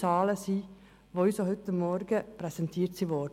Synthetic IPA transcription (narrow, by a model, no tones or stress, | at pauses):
ɑːləsiː | ʋoisohʏt̪əmɔɾɡəpʁɛsɛnt̪ʰiːɾt̪siːʋɔd